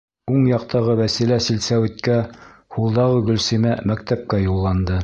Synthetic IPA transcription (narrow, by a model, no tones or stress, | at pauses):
uɴjɑqt̪ɑʁɤwæsilæsilsæwɘ̆t̪̚kæhulˠd̪ɑʁɤɡɵ̆lsimæmækt̪æp̚kæjulˠːɑnd̪ɤ